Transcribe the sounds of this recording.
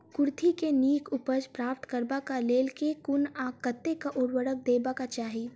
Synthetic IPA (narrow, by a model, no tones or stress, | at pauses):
kʊɾt̪ʰikeniːkʰʊpəd͡ʒpɾaːp̚t̪kəɾbakaleːlkekʊnakət̪ːekaʔʊɽwəɽək̚d̪eːbakat͡ʃaːɦi